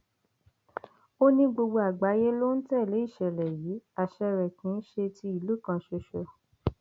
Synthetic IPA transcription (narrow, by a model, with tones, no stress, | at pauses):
o˦nĩ˦ɡ͡bo˧ɡ͡bo˧a˨ɡ͡ba˨˦je˦lo˦n̩˦tɛ˦˨le˨˦i˦˨ʃɛ˨lɛ˨ji˨˦a˨ʃɛ˧ɾɛ˨kĩ˨˦n̩˦ʃe˧ti˧i˨lu˨˦kã˧ʃe˧ʃo˧